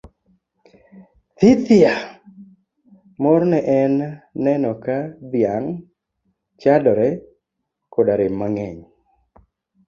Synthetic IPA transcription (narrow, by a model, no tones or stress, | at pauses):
t̪it̪ɪa | moɾnɛʔɛnːɛnɔkad̪ɪjaŋ | t͡ʃadɔɾɛ | kodaɾɪmːaŋɛɲ